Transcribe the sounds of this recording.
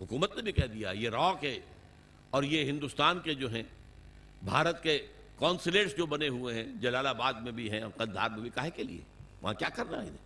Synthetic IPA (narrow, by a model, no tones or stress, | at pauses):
ɦʊkuːmət̪nebʱikɛːd̪ija̰jeɾɔːkɦɛ | ɔːɾjeɦɪ̃nd̪ust̪aːnked͡ʒoːɦɛ̃ː | bʱaːɾət̪ke | kɔ̃ːnsɪleːʈsd͡ʒoːbɐneɦueɦɛ̃d͡ʒɐlaːlabaːd̪mẽbʱiɦɛ̃ɔ̰ːɾqɐd̪d̪ʱːa̰ːɾmẽbʱikaːɦekelḭḛʋɐ̰ɦãkja̰ːkɐɾnaːḭd̪ɛː